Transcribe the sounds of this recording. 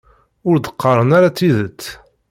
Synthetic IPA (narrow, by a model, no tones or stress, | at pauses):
ʊɾd̪ə̥qːɑɾˤənaɾat͡sːiðət͡sː